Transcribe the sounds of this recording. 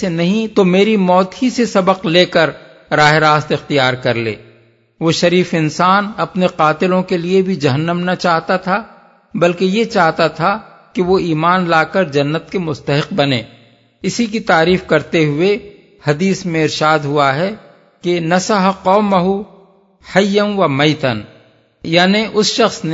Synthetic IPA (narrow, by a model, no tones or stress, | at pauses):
enɐɦĩt̪omeːɾimɔːt̪ɦisesɐbəqleːkəɾ | ɾaːɦeɾaːst̪ɪxt̪ijaːɾkɐɾlḛː | ʋoːʃɐɾiːfɪnsaːnɐpneqaːt̪ɪlõkeliebʱid͡ʒɐɦənːəmnɐt͡ʃaːɦt̪at̪ʰa | bɐlkejet͡ʃaːɦt̪at̪ʰa | keʋoiːmaːnlaːkəɾd͡ʒɐnːət̪̚kemʊst̪əɦɪq̚bɐnḛː | ɪsikit̪aːɾiːfkɐɾt̪eɦʊe | hɐd̪iːsmẽɪɾʃaːd̪ɦʊaɦɛ | kenɐsɐɦqɔːmːɐɦu | hɐjːəmʋɐmɐɪt̪ən | jaːneʔʊsʃɐxsn